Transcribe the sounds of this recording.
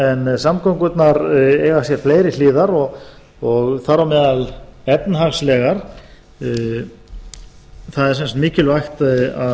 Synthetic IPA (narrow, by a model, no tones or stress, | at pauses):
ɛnsamkʰowŋkʏt̪naɾeːɣasjɛɾ̥fleːjɾɪliːðaɾɔɣ | ɔɣθaɾawmɛːðalɛp̪nɦaɣslɛɣaɾ̥ | θaðɛɾsɛnst̪mɪːcɪlvajxt̪aðɪa